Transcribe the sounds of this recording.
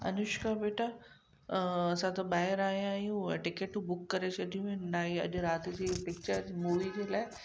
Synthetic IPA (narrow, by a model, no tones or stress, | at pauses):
ɐ̰nʊʃkʰabeːʈʰa | ɐsãt̪ɐbaːjəɾaːɦijãiũʈɪkeʈubʊkːɐɾet͡ɕʰɐd̪ʱijũẽnnaːiɐ̰ʄɾaːt̪id͡ʑeːpɪk̚t͡ɕəɾmuːʋid͡ʑeːlaːe